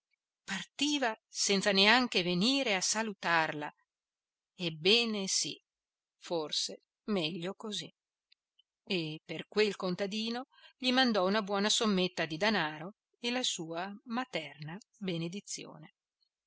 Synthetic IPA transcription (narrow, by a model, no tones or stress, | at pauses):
part̪iːvasɛnt̪saneaŋk̟eveniːɾeasalut̪arla | ebːɛːnesḭ | forse | mɛʎːokozi | epːerkwelkont̪ad̪iːno | ʎimand̪ɔunabwɔːnasomːet̪ːad̪id̪anaːɾo | elasuːamat̪ɛrnabened̪it̪sːjo̰ːne